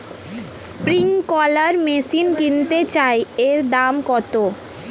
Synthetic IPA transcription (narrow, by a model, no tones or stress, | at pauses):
spɾiŋkɔləɾmesinkint̪et͡ɕaeeɾd̪amkɔt̪o